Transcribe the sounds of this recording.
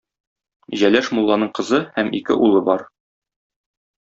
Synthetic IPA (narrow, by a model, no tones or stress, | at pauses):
ʑælæʃmulˠːɑnɤɴqɤ̆zɤhæmḭkɘ̰ʔulˠɤbɒɾ